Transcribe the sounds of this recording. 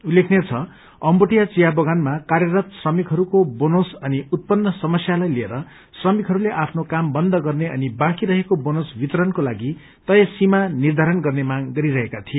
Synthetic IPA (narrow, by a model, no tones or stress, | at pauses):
ulːekʰnet͡sʰʌ | ʌmboʈijat͡sijabʌɡanmakarjʌɾat̪srʌmikɦʌɾukobonosʌniut̪̚pʌnːʌsʌmʌsjalajlieɾʌ | srʌmikʰɦʌɾuleʔapʰnokambʌnd̪ʱʌɡʌrneʌ̰nibakiɾʌɦekobonosbit̪ʌɾʌnkolaɡi | t̪ʌjʌsimanird̪ʱaɾʌnɡʌrnemaɡɡʌɾiɾʌɦekat̪ʰijo